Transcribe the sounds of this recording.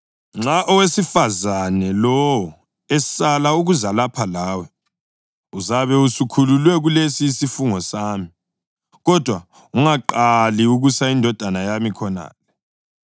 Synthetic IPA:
ŋ͡ǁaʔɔwesifazanɛlɔwɔ | ɛsalauɣuzalapʰalaːwɛ | uzaβɛusukʰululwɛɣulesiːsifuŋɔsaːmi | ɣɔd̥ʱwa | uŋaǃaliuɣusaindʱɔd̥ʱanajamikʰɔna̰ːlɛ

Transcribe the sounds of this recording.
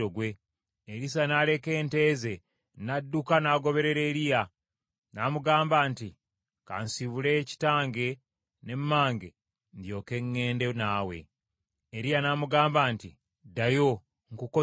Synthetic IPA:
oɡwe̞ː | ɾis̬anale̞ke̞ːnte̞ːze̞ | nadːukanaːɡo̞βe̞ɾe̞ɾe̞ːɾija | namuɡaːmbaːnti | ka̰nsiβule̞ci̥taːŋɡe̞ | ne̞mːaːŋɡe | ndjo̞ːke̞ŋːe̞ːndenaːwe̞̰ː | ɾijanaːmuɡaːmbaːnti | dajo̞ | ŋkuko

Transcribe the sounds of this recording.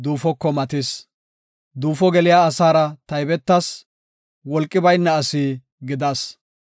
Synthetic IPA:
d̪uːfɔkːɔmɐt̪ɪs | d̪uːfɔɡɛlɪjaːsaːɾɐt̪ɐjbɛt̪ːɐs | wɔlkʼːɪbɐjnːɐɐsi | ɡɪd̪ɐs

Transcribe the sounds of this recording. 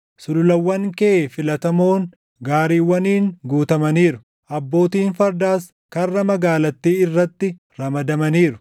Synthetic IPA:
sʊlʊlɐwːɐŋkɛːfɪlɐt̪ɐmo̞ːŋ | ɡaːɾiːwːɐniːŋɡuːt̪ɐmɐniːɾʊ̥ | ʔɐbːo̞ːt̪iːnfɐɾd̪aːs | kɐrːɐmɐɡaːlɐt̪ːiːɪrːɐt̪ːɪ | ɾɐmɐd̪ɐmɐniːɾʊ

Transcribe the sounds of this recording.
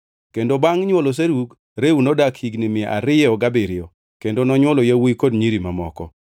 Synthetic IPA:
kendobaŋɲwɔlos̬eɾuɡ | ɾeunɔdakhiɡnimɪaʔa̰ɾɪjɔɡabɪɾɪɔ | kendonɔɲwɔlojawikodɲiɾimamɔkɔ̰

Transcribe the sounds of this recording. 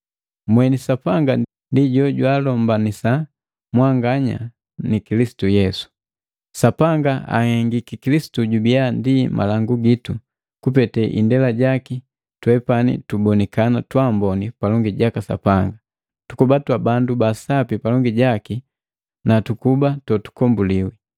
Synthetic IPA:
mwɛnisapaŋɡa | ndiɟɔɟwaːlɔmbanisa | mwaŋɡaɲa̰ | nikilisi̥tujɛsu̥ | sapaŋɡaa̰hɛŋɡikikilisi̥tuɟubiandimʔa̰laŋɡuɡitu | kupɛtɛʔḭndɛlaɟaki | twɛpanḭtubɔnɛkanatwambɔnipalɔŋɡiɟakasa̰paŋɡa | tukubatwabandubasapipalɔŋɡiɟaki | natukubatɔtu̥kɔmbuliwi

